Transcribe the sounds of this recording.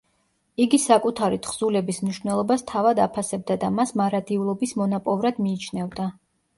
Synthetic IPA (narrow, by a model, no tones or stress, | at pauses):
iɡisakʼut̪ʰaɾit̪ʰχz̥ulɛbismniʃvnɛlˠɔbast̪ʰavad̪apʰasɛb̚d̪ad̪amasmaɾad̪iulˠɔbismɔnapʼɔvɾad̪miːt͡ʃʰnɛvd̪a